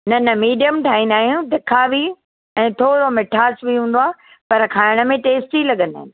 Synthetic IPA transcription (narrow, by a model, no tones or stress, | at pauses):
nɐnɐmiːɖijəmʈʰaːĩnaːɦijũd̪ekʰaʋi | ɛ̃ːt̪ʰoːɾomɪʈʰaːsbʱiɦũːnd̪oaː | pɐɾkʰaːɪɽ̃ə̆mẽʈeːsʈilɐɠə̃nd̪a̰ːɪ̃nɪ̆